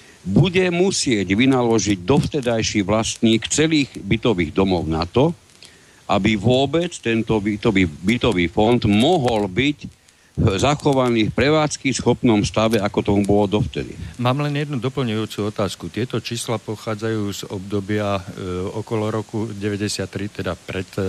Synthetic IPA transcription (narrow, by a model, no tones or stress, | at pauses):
buɟɛmusɪɛɟʋinalɔʒiɟd̪ɔft̪ɛd̪ajʃiːʋlast̪ɲiːkt͡sɛliːɣbit̪ɔʋiːɣd̪ɔmɔʊnat̪ɔ | ʔabiʋʊɔbɛt͡st̪ɛnt̪ɔbit̪ɔʋiːbit̪ɔʋiːfɔnd̪mɔɦɔlbic | zaxɔʋaniːfpɾɛʋaːt͡skisxɔpnɔmst̪aʋɛakɔt̪ɔmubɔlɔd̪ɔft̪ɛd̪ḭmaːmlɛnjɛd̪nud̪ɔpl̩ɲujuːt͡suɔt̪aːskut̪ɪɛt̪ɔt͡ʃiːslapɔxaːd͡zajuːzɔbd̪ɔbɪaɔkɔlɔɾɔkuɟɛʋɛɟɛsɪat̪ːɾit̪ɛd̪apɾɛt̪